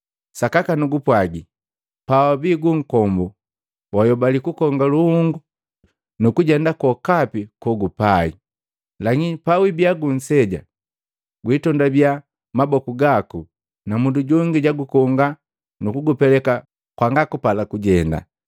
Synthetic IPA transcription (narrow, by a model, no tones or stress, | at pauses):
sakakanuɡupwaɡi | pawabiɡuŋ̩kɔmbɔ | wajɔbalikukɔŋɡaluhuŋɡu | nukuɟɛndakɔkapikɔɡupaḭ | laŋipawibiaɡun̩sɛɟa̰ | ɡwiːtɔndabja | mabɔkuɡaku | namunduɟɔŋɡiɟaɡukɔŋɡa | nukuɡupɛlɛka | kwaŋɡakupalakuɟɛnda̰